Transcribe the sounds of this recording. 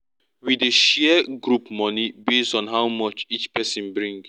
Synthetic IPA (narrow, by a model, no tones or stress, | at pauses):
wideʃɛɡɹupmɔnibestɔ̃nɦawmɔt͡ʃit͡ʃpɛsĩnbɹĩŋɡ